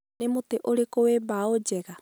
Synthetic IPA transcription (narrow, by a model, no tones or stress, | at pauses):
nemuteʔoɾekowebaod͡ʒɛɣa